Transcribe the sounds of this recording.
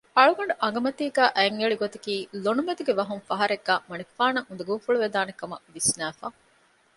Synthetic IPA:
ɐɭuɡɐɳɖuʔɐŋ̆ɡɐmɐt̪iːɡæːʔæŋɐɭiɡot̪ɐkiːlonumed̪uɡeʋɐɦuŋfɐɦɐɾeɡːæːmɐniku̥faːnɐŋund̪ɐɡuːfuɭuʋed̪aːnekɐmɐ̰ʋisnæːfaː

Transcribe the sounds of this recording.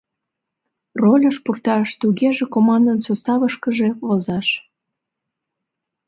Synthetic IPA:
rolʲəʃpurt̪ɑʃt̪uɣeʒekomɑnd̪ənsost̪ɑβəʃkəʒeβozɑʃ

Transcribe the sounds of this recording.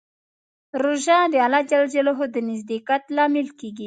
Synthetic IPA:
ɾoʒɑd̪əalɑd͡ʒald͡ʒaloɦod̪ənɪzd̪ekat̪lɑmɪlkeɡi

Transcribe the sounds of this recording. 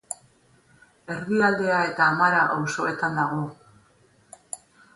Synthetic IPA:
e̞rðiald̪e̞ae̞t̪aːmaɾaʔawso̞e̞t̪and̪aɣ̞o̞

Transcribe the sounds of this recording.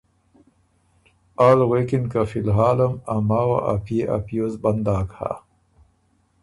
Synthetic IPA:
alwekinkafilɦaːlɐmamaːwa̰ʔa̰pieʔa̰pijozband̪aːkha̰

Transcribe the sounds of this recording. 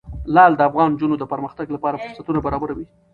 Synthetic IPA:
lɑld̪əafɣɑnd͡ʒunod̪əpəɾməxt̪aɡlapɑɾafʊɾsat̪unabaɾɑbaɾawi

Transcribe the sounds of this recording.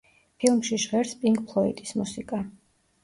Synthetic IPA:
pʰilˠmʃiʃʁɛɾspʼiŋɡʼpʰlˠɔḭt̪ʼismusikʼa

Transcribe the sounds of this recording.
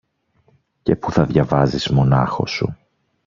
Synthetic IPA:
ce̞puθɐðʝɐvɐzizmo̞nɐ̰xo̞̰sṵ

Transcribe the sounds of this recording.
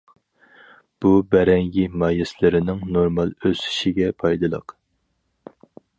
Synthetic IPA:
b̥ubɛɾɛŋɡʲimɑːjɛslɪɾɪnɪŋnoɾmɑlˠøsy̥ʃiɡʲɛpʰɑjd̪ɨlˠə̰q

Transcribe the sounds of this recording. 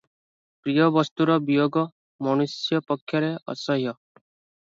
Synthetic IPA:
pɾijɔʋʌst̪uɾɔbijoːɡɔ | mɔñusjɔpɔkʰːjʌɾeʌ̰sʌɦjɔ

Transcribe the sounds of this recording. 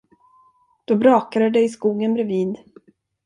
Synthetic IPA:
d̪̥ɔbɾɑːkad̪əd̪ɛɪskuːɡənbɾɛviːd̪

